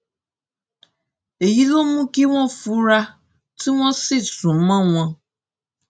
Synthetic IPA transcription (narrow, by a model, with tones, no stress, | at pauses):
e˨ji˦lo˦mũ˦ki˦w̃ɔ̃˦fu˦ɾa˦ | tʰi˦w̃ɔ̃˦si˦˨sũ˨˦mã˦w̃ã˦